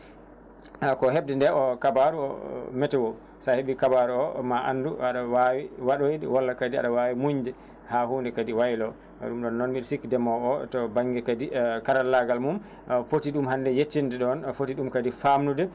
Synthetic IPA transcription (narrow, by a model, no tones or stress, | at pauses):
kɔɦeb̚dɛndɛʔɔkabaɾuɔ̰mɛtɛwo | saheɓikabaɾuɔmaʔa̰nduaɗawawiwaɗojdɛwalːakadia̰ɗawawimuɲdɛ | hahuːndɛkadiwajlɔ̰ | ɗumɗɔnːɔnmilsikdɛmɔɔtɔbaŋɡɛkadikaɾalːaɡalmum | fotiɗumhandɛjetːindɛɗɔnfotiɗumkadifamnudɛ